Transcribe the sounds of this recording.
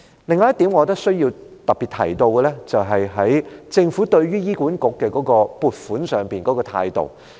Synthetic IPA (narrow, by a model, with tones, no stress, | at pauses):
lɪ˨ŋːɔː˨˦jɐ˥t̪i˨˥mŋɔː˨˧t̪̬ɐ˥k̚sɥji˧wt̪ɐ˨k̚pi˨t̚t̪ʰɐ̰˨˩jt̪o˧wkɛ˧lɛː˥t͡sɐ˨wɦɐ˨jɦɐ˨˥jt͡sɪ˧ŋfu˨˥t̪ɵ˧ɥɥyː˥jiː˥kuː˨˥nkʊ˨˥kːɛː˧kɔː˨˥kɔː˧puː˨˧t̚fuː˨˥nsœː˨ŋpiː˨nkɔː˨˥kɔː˧t̪ʰa̰ː˧jt̪o̰˨w